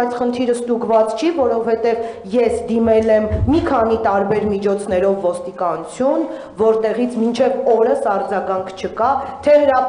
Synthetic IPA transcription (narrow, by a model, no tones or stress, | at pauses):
jt͡sʰχənt̪ʰiɾəst̪uɡvɑt͡st͡ʃʰivɔɾɔvhɛt̪ɛvjɛsd̪imɛlɛmːikʰɑnit̪ɑɾbɛɾmit͡ʃʰɔt͡sʰn̪ɛɾɔvːɔst̪ikɑnut͡sʰjun | vɔɾt̪ɛʁit͡sʰmint͡ʃʰɛvɔɾəsɑɾd͡zɑɡɑŋkʰt͡ʃʰəkɑt̪ʰɛhəɾɑ